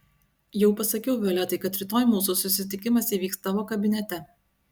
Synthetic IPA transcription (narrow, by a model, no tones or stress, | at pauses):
jɛʊpɐsɐkʲɛʊʋʲɛlʲɛt̪ɐɪkɐt̪ɾʲɪt̪oːjmuːsusʊsʲɪt̪ʲɪkʲɪmɐsiːʋʲiːkst̪ɐʋoːkɐbʲɪnʲɛt̪ʲɛ